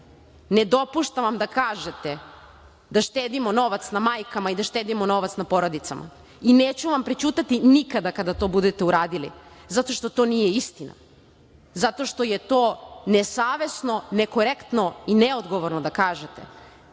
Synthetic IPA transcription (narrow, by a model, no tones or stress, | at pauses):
ned̪o̞puʃt̪aʋamd̪akaːʒet̪e | d̪aʃt̪eːd̪imo̞no̞ʋat̪snamaːjkamaid̪aʃt̪eːd̪imono̞ʋat̪snapo̞ɾo̞d̪it̪sa̰mʔa̰ | ineːt͡ɕuʋampɾit͡ʃuːt̪at̪inikad̪akad̪at̪o̞bud̪et̪e̞uɾaːd̪ilḭzat̪o̞ʃt̪o̞t̪o̞ːnijeist̪ina̰ | zat̪o̞ʃt̪oje̞t̪oːnesaːʋe̞sno̞neko̞ɾekt̪no̞ineod̪ɡo̞ʋoɾnod̪akaːʒet̪e